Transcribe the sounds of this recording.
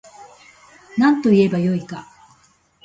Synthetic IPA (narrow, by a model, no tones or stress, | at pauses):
nãnt̪o̞ie̞bajo̞ika